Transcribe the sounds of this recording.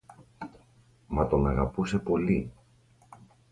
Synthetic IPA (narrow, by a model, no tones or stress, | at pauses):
mɐt̪o̞nɐɣɐpuse̞po̞li